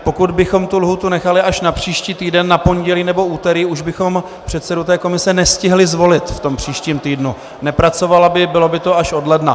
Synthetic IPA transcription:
po̞kud̪bɪxo̞mt̪ulɦuːt̪unɛxalɪaʃnapr̝̥iːʃciːt̪iːdɛnːapo̞nɟɛliːnɛbo̞uːt̪ɛɾiːuʒbɪxo̞m | pr̝̥ɛt̪sɛdut̪ɛːko̞mɪsɛnɛscɪɦlɪzvo̞lɪt̪ft̪o̞mpr̝̥iːʃciːmt̪iːdnu | nɛpɾat͡so̞valabɪbɪlo̞bɪt̪o̞aʃo̞dlɛdna

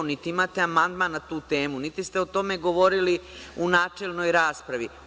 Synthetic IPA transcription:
nit̪iimaːt̪eamand̪maːnnat̪uːt̪e̞ːmunit̪ist̪eot̪o̞meɡo̞ʋo̞ɾiliunaːt͡ʂeːlno̞jɾaːspɾaʋi

